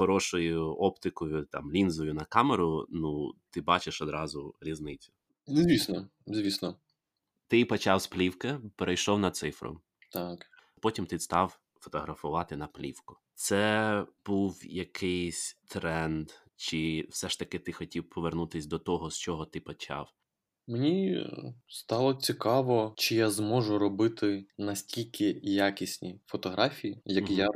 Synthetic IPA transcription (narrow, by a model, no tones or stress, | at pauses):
xɔɾɔʃɔjʊɔpt̪ɪkɔjʊt̪ɑ̰mlʲinzɔjʊnɐkɑmeɾʊnut̪ɪbɑt͡ʃeʃɔd̪ɾɑzʊɾʲiznɪt͡sʲʊ̥ | nzʲʋʲisnɔ | zʲʋʲisnɔ | t̪ɪpɔt͡ʃɑwsplʲiwkɐpeɾʔejʃɔwnɐt̪sɪfɾʊ̰ | t̪ak | pɔtʲimt̪ɪst̪ɑw | fɔt̪ɔɦɾɐfʊʋɑt̪ɪnɐplʲḭwkʊ̥ | t̪sɛb̥uwjɐkʰɪjsʲt̪ɾɛnd̪ | t͡ʃiwsɛʃt̪ɐkɪt̪ɪxɔtʲiwpʰɔʋernut̪ɪsʲd̪ɔt̪ɔɦɔst͡ʃɔɦɔt̪ɪpɔt͡ʃɑ̰w | menʲi | st̪ɑlˠɔt͡sʲikɑʋɔt͡ʃɪjazmɔʒʊɾɔbɪt̪ɪnɐsʲtʲilʲkʰɪjakʲisʲnʲifɔt̪ɔɦɾafʲijijɐkja